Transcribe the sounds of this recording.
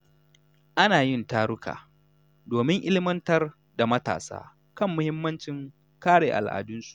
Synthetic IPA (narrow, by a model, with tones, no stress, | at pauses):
ʔa˦naː˨jɪ˦ntaː˦ɾʊ˦kʰa̰ː˨ | doː˨mɪ˦ŋʔɪ˦lɪ˦mɐ˦ntɐ˦r | da˨mɐ˦ta̰ː˨sa̰ː˦ | kɐ˦mːʊ˦hɪ˦mːɐ˦nt͡ʃɪ˨ŋ | kaː˦ɽeː˨ʔa̰˨lʔa̰ː˨dʊ˦nsu̥˨ʔ